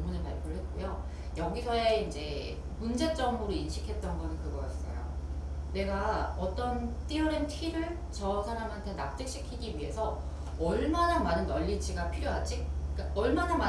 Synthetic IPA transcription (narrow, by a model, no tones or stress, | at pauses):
ŋmunɯɭma̰ɭpʰjoɾɯɭɦe̞t̚k͈ojo | jʌɡisʰʌeind͡ʑe̞̰ | mund͡ʑe̞t͡ɕ͈ʌŋmuɾoinɕʰikʰe̞t̚t͈ʌnɡʌnɯnkɯɡʌk͈as͈ʌ̰jo̰ne̞ɡaʌt͈ʌnt͈ioɾemtʰɥiɾɯɭ | t͡ɕʌsʰanamɦantʰenap̚t͈ɯk̚ɕ͈ikʰiɡiɥiɦe̞sʰʌ | ʌɭmanamanɯnːʌʎːit͡ɕʰiɡapʰiɾjoɦad͡ʑ͈ik͈aʌɭmanama